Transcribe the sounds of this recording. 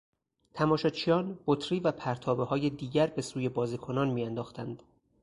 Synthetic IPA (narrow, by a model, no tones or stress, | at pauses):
t̪ʰæmɒːʃɒt͡ʃʰijɒːnbot̪ʰɾiːvæpʰæɾt̪ʰɒːbehɒːje̞d̪iːɟæɾbe̞suːje̞bɒːziːkʰo̞nɒːnmiːjænd̪ɒːxt̪ænd̪̥